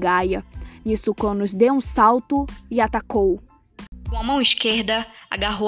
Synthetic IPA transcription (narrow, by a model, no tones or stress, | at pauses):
ɡajɐnisukõnʊzd̪ewũsawt̪ʊɪat̪akow | kõɐmɐ̃w̃iskeɾd̪ɐa̰ɡaɦo